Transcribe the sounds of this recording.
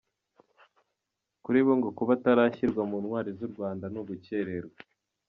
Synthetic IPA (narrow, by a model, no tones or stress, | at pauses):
kuɾiːβoŋɡo̞kuβataɾaːçiɾɡwamunwaːɾizuɾɡwaːndanuɡuce̞ɾe̞ɾɡwa